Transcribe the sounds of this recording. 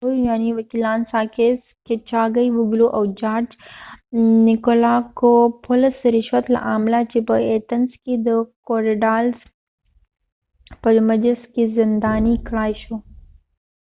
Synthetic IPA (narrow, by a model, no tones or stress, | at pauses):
ɦujujaːniʋɐkiːlaːnsaːkeːs | ket͡ʃaːɡɐiʋʊɡloʔɐwd͡ʒaːɾd͡ʒ | nɪkolaːkopʰʊləsɾɪʃʋət̪la̰ʔaːmlat͡ʃipɐeːt̪ɐnskid̪əkoːɾeɖaːlz | pɐɾmɐd͡ʒəskizɪnd̪aːnikɽaːjʃoː